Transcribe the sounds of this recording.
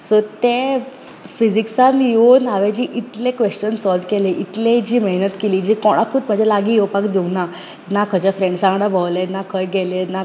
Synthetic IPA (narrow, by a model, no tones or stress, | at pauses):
sɔt̪e | fid͡ʑiksãnjonɦaʋed͡ʑiːʔit̪lẽkʋeɕt͡ɕənsɔlɖkeleʔit̪lẽd͡ʑiːməɦnət̪keliːd͡ʑiːkɔɽ̃akuːt̪m̤əd͡ʑalaɡiːjowpakd̪una | nakʰəd͡ʑafɾeɳɖsãŋɡɽabʱəwlenakʰəjɡɛlena